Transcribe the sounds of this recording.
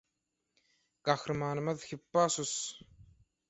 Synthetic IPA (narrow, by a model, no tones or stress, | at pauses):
kaxɾmaːnmɐðxɪpːaːsʊs